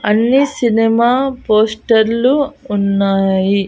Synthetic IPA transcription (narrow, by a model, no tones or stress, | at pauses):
ɐnːisinɛmaːpoːsʈɐɾluːnːaːji